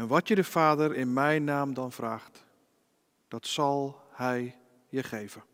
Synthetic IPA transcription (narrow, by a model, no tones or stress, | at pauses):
ɛnʋɔtjədəfaːdərɪnmɛjnaːmdɔnfraːχt | d̥ɔtsɑlˠhɛj | jəχeːvə